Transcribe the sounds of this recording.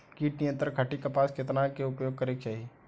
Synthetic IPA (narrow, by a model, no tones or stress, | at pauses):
kiːʈnɪjə̃nt̪əɾkʰɐʈikɐpaːsket̪nakeʊɡpjoːɡ̚kəɾek̚t͡ʃaːɦie